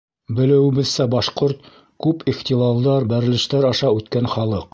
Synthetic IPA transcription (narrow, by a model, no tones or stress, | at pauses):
bɘ̆lɘ̆wɘ̆bɘ̆ðsæbɑʃqoɾt̪̚ | kʉpiχt̪ʲilˠɑlˠd̪ɑɾbæɾɘ̆lɘ̆ʃt̪æɾɑʃɑʉt̪kænχɑlˠɤq